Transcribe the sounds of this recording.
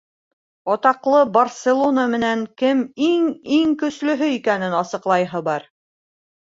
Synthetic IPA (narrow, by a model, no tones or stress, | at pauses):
ɑt̪ɑqlˠɤbɐrsʲelˠonamɘ̆næŋkɘmiŋiŋkɵ̆slɵ̆ɦɵikænɘnɑsɤ̆qlˠɑjɦɤbɑɾ